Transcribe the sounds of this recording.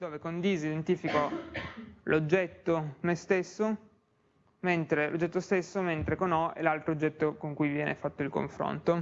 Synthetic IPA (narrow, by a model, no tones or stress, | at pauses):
d̪oːvekond̪iːzid̪ent̪iːfiko | lʔod͡ʒːɛt̪ːomest̪esːo | ment̪ɾelo̰d͡ʒːɛt̪ːost̪esːoment̪ɾekonɔḛlalt̪ɾoːd͡ʒːɛt̪ːokoŋkujvjɛːnʔefat̪ːoilko̰ɱfɾo̰nt̪o